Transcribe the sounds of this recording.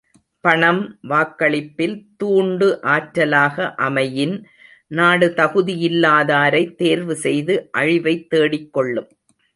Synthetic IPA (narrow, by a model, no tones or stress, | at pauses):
pɐɳɐmʋaːkːɐɭɪpːɪlt̪uːɳɖɯʔaːʈɾɐlaːɣɐʔɐmɐjɪn | naːɽɯt̪ɐɣɯðɪjɪlːaːðaːɾɐɪt̪ːeːɾʋɯsɛjðɯʔɐɻɪʋɐɪt̪ːeːɽɪkːɔɭːɯm